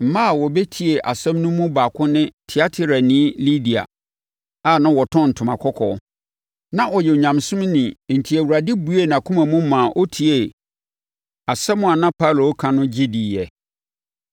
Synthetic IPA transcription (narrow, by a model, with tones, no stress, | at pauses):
m̩˨mã˦˨wɔ˨bɛ˦tʰi˨e˨ʔa˨sɛ̃˦mnũ˦mũ˦baː˨kʰʊ̃˦nɪ̃˦tʰi˨a˦tʰɪ˦ɾa˨nĩ˦li˦di˨a̰˨ | a˦˨nã˦wɔ˨tʰɔ̃˦˨n̩˨tʰʊ̃˨mã̰˨kʰɔ˦kʰɔ̰˦ | nã˦ʔɔ˨jɛ˨o˨ɲã˨msʊ̃˦mnĩ˨n̩˨tʰi˨æ˨wu˨ɾa˨dɪ˦bu˨˦e˦˨n˨ã˨kʰũ˦mã˨mũ˦mã˨ʔɔ˦tʰi˨e˨ | a˨sɛ˦mʊ̃˦a˨nã˦pʰa˦lo˨˦kʰã˨nʊ̃˦d͡ʑi˦di˨jɛ˨